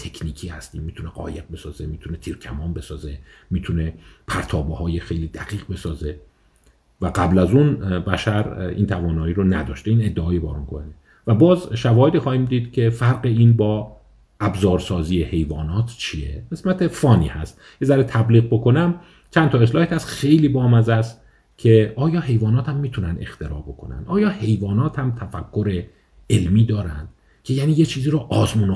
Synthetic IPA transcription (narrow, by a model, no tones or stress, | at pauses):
t̪ʰekʰniːcʰiːhæst̪iːmːiːt̪ʰuneɢɒ̰ːjeq̚be̞sɒːzemiːt̪ʰunet̪ʰiːɾcʲʰæmɒːmbe̞sɒːzemiːt̪ʰune̞pʰæɾt̪ʰɒːbehɒːjexejliːd̪æɣ̥iːʁbe̞sɒːze | væɡæblæzunbæʃæɾḭːnt̪ʰævɒːnɒːiːɾonæd̪ɒːʃt̪eiːne̞d̪ːeɒːjebæːɾunkʰone | væbɒːzʃævɒːhed̪iːxɒːhiːmd̪iːd̪̥cʲʰe̞fæɾɢeiːnbɒː | æbzɒːɾsɒːziːehe̞jvɒːnɒːt̪ʰt͡ʃʰije̞̰ʁe̞smæt̪ʰe̞fɒːnḭːhæ̰st̪ | jezæɾet̪ʰæbliːɣ̚bo̞ko̞næm | t͡ʃʰænt̪ʰɒːe̞slɒːhet̪hæst̪xe̞jliːbɒːmæzæst̪ | cʲʰe̞ʔɒːjɒːɦe̞jvɒːnɒːt̪hæmːiːt̪ʰunænd̪e̞̰xt̪e̞ɾɒ̰ːbo̞kʰo̞̰næ̰nd̪ʔɒːjɒːhe̞jvɒːnɒːt̪ʰhæmt̪ʰæfækʰːoɾe̞ | elmiːd̪ɒːɾæ̰nd̪̥ | cʰe̞jæːniːjet͡ʃʰiːziːɾoʔɒːzmuːn